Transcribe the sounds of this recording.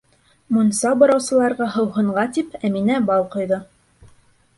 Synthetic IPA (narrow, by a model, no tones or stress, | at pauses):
munsɑbɑɾɑwsɤ̆lˠɑɾʁɑɦɤ̆wɦɤ̆ɴɢɑt̪ipæminæbɑlˠqŏjðɤ